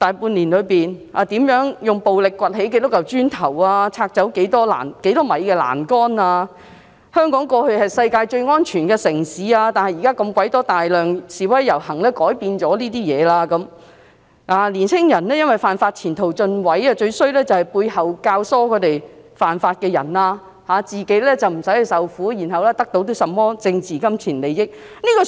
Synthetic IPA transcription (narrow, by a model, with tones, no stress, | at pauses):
t̪aː˨˧jpuː˧nliː˨˩nlɵ˨˧ɥpiː˨naː˨˧t̪iː˨˥mjœː˨˥ŋjʊ˨ŋpo˨wlɪ˨kːʷɐ˨t̚ɦe˨˥jkɪ˧˥t̪ːʊ˥k̚jɐ˨wt͡ʃyː˥nt̪ʰɐ˨˩waː˧t͡sʰaː˧k̚t͡sɐ˨˥wke˨˧˥jt̪ɔː˥la̰ː˨˩nke˨˥jt̪ɔː˥mɐ˨˧jkɛː˧la̰ː˨˩nkɔː˥naː˧ | hœː˥ŋkɔː˨˥ŋkɔː˧hɵ˧hɐ˨jsɐ˧jkaː˧jt͡ʃɵ˧ɥŋɔː˥nt͡ʃʰyː˨˩nkɛː˧sɪ˨˩ŋsiː˨˧aː˧t̪aː˨nhɐ˨jːiː˨˩kaː˥kɐ˧mkʷɐ˨˥jt̪ɔː˥t̪aː˨jlœː˨ŋsiː˨˩wɐ˨˥jːɐ˨˩whɐ˨˩ŋlɛː˥kɔː˨˥jpiː˧nt͡sɔː˨˧˥liː˥t̪iː˥jɛː˨˧laː˧kɐ˨˧˥m | ʔaː˨˧liː˨˩nt͡sʰɪ˥ŋjɐ˨˩nɛː˥jɐ˥nwɐ˨˩jfaː˨nfaː˧t̚t͡sʰiː˨˩nt̪ʰo˨˩wt͡sɵ˧nwɐ˨˥ja˧t͡ʃɵ˧ɥsɵ˥ɥlɛː˥t͡sɐ˨whɐ˨˩jpuː˧jhɐ˨wkaː˧wsɔː˥kʰɵ˨˧t̪e˨jfaː˨nfaː˧t̚kɛː˧jɐ̰˨˩nlaː˧ | haː˨˧t͡siː˨ke˨˥jlɛː˥t͡sɐ˨wm̩˨˩sɐ˨˥jhɐ˨˧sɐ˨wfuː˨˥jiː˨˩nɦɐ˨wlɛː˥t̪ɐ˥k̚t̪o˨˥wt̪o˥sɐ˨mːɔː˥t͡sɪ˧ŋt͡sʰiː˨kɐ˥mt͡sʰiː˨˩nle˨jɪ˥k̚ | niː˥kɔ˧